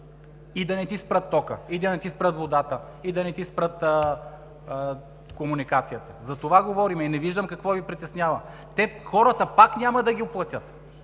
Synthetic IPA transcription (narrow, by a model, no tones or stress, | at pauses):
id̪ɐnɛt̪ispɾət̪ːɔkə̰id̪ɐnɛt̪ispɾət̪vod̪at̪ə | id̪ɐnɛt̪ispɾət̪ː | komunikat̪sijət̪ɐzɐt̪ovaɡovɔɾimɛinɛviʒd̪əmkɐkvɔvipɾit̪ɛsnʲjavɐ | t̪ɛxɔɾət̪əpaknʲamɐd̪ɐɡʲiʊplˠɐt̪ʲət̪